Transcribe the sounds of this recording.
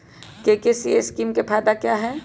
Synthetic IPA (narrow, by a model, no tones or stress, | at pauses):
kekesieskiːmkepʰaːd̪akjaːɦɛː